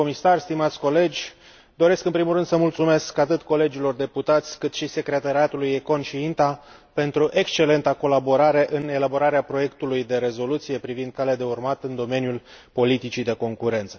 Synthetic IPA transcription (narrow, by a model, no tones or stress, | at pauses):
omisarʲst̪imat̪sʲko̞le̞d͡ʒʲ | d̪o̞ɾe̞skɨnpɾimulrɨnd̪̥səmult̪sume̞skat̪ɨt̪ko̞le̞d͡ʒilo̞rd̪e̞put̪at̪sʲkɨt̪ʃise̞kɾe̞t̪aɾiat̪ulujeko̞nʃiint̪a | pe̞nt̪ɾuʔe̞kst͡ʃe̞le̞nt̪ako̞labo̞ɾaɾe̞ʔɨne̞labo̞ɾaɾeapɾo̞je̞kt̪ulujd̪e̞ɾe̞zo̞lut̪sije̞pɾivind̪̚kalead̪e̞urmat̪ɨnd̪o̞me̞njulpo̞lit̪it͡ʃid̪e̞ko̞ŋkuɾe̞nt̪sə